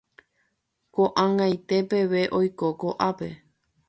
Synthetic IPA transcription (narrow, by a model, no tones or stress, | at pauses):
koʔãŋɡajt̪e̞pe̞ʋe̞ʔojkokoʔape̞